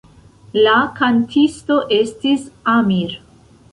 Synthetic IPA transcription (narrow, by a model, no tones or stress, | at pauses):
lakantʰisto̞ʔe̞stisamiɾ